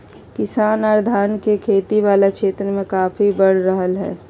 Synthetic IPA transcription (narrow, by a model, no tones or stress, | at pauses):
kɪsaːnaːɾd̪ʱaːnkekʰeːt̪iʋaːlakʃʰeːt̪ɾəmẽkaːfʰibəɽ̤ɾəɦəlɦɛ̰ː